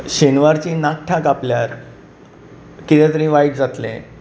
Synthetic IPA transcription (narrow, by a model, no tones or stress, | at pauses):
ɕenʋaɾt͡ɕiːnak̚ʈʰakapljaɾ | kit̪ẽt̪əɾĩːʋajʈ̚d͡zat̪lḛ̃